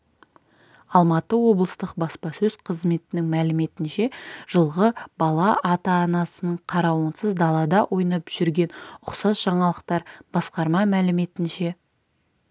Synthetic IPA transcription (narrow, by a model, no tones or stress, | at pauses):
ɑlˠmɑt̪əwo̞blˠəst̪əq̚bɑspɑsɵzqʰəzme̞t̪ɪnɪŋmælɪme̞t̪ɪnʃe̞ʒ̥əlˠʁəbɑlˠɑʔɑt̪ɑːnɑsənəɴqʰɑɾɑwənsəzd̪ɑlˠɑd̪ɑʔo̞jnɑpʒ̥ʏɾɡʲe̞nʊqsɑsʒɑɴɑlˠəqt̪ɑɾb̥ɑsqɑɾmɑmælɪme̞t̪ɪnʃe̞